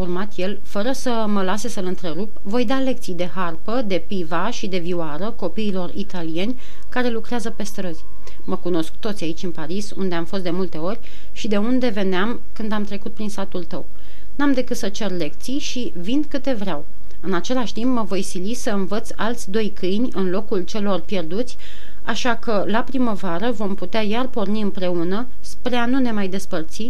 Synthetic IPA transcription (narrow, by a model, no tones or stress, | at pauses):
urmat̪je̞lfəɾəsə | məlase̞səlɨnt̪ɾe̞ɾup | vo̞jd̪ale̞k̚t̪sijd̪e̞ɦarpəd̪e̞pivaʃid̪e̞viwaɾəko̞piːlo̞rit̪alije̞nʲ | kaɾe̞lukɾeazəpe̞st̪ɾəzʲ | məkuno̞sk̚t̪ot̪sʲait͡ʃʲɨnpaɾisund̪e̞amfost̪d̪e̞mult̪e̞o̞rʲ | ʃid̪e̞und̪e̞ve̞neam | kɨnd̪amt̪ɾe̞kut̪̚pɾinsat̪ult̪əw | namd̪e̞kɨt̪sət͡ʃe̞rle̞k̚t̪sijʃi | vind̪kɨt̪e̞vɾeaw | ɨnat͡ʃe̞laʃt̪impməvo̞jsilisəɨnvət̪salt̪sʲd̪o̞jkʰɨjnʲɨnlo̞kult͡ʃe̞lo̞rpje̞rd̪ut̪sʲ | a̰ʃakəlapɾiməvaɾəvo̞mput̪eajarpo̞rniɨmpɾe̞unə | spɾe̞anune̞majd̪e̞spərt̪si